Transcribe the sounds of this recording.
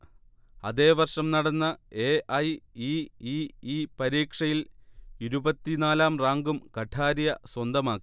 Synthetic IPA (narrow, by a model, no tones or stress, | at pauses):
ɐ̰ðe̞ːʋɐrʂɐmnɐɽɐnːɐeːʔɐjiiiːpɐɾiːkʂɐjiliɾubɐt̪ːinaːlaːmraːŋɡumkɐʈʰaːɾijɐswɐnd̪ɐmaːkːi̥